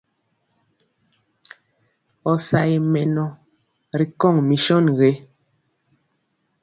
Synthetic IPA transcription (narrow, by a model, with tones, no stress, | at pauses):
ɔ˨sa˨je˨mɛ˨nɔ˨ | ɾi˨kɔ˦˨ŋmi˨ʃɔ˦˨nɣe˨˦